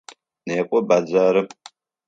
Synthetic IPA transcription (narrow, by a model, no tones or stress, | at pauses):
neːkʷʼɔbad͡zaːɾɨ